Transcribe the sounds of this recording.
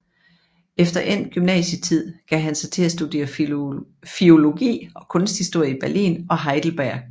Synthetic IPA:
efd̥ɐʔen̰ɡ̥ymnɛ̰ːɕət͡sʰið̰ˠɡ̥æɦænsɑ̈ɪt͡sʰe̝læsd̥ud̥e̝̰ːɐ | fio̝lo̝ɡ̥ḭːɒ̽kʰɔ̽nsd̥hisd̥o̝ɐ̰əib̥æɐlḭːnɒ̽ɦɑ̈ɪd̥l̩b̥æɐ̰̥

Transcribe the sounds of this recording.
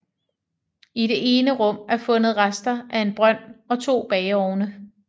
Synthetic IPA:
ide̝ʔe̝ːnəʁɔ̽m̰æɐfɔ̽nð̞̩ˠʁasd̥ɐʔæe̝nb̥ʁɶn̰ɒ̽t͡sʰo̝̰ːb̥ɛɪɒʊnə

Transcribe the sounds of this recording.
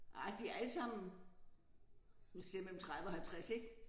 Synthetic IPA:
ʔɑ̈ɪd̥iææləsɑ̈m̰n̩ | isiɐmelm̩t͡sʰʁaðˠəɒ̽hælt͡sʰʁaseɡ̥

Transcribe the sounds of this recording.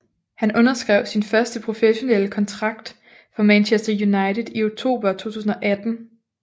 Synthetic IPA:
hænʔɔ̽nɐsɡ̥ʁɛʊ̰sinfɶɐsd̥əpʰʁo̝feɕo̝neləkʰɒ̽nt͡sʰʁɑ̈ɡ̥̚d̥ | fɒ̽mænɕesd̥ɐjunɑ̈ɪt͡seðˠio̝ɡ̚t͡sʰo̝̰ːb̥ɐt͡sʰo̝̰ːt͡sʰṵːsn̩ɒ̽ʔæd̥n̩

